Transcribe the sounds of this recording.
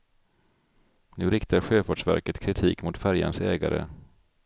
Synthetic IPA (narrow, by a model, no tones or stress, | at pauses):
nʉ̟ːɾɪkt̪ʰaɾɧøːfaːʂvæ̰ɾkət̪kʰɾɪt̪ʰiːkmʊt̪fæɾja̰nsɛːɡa̰ɾə̰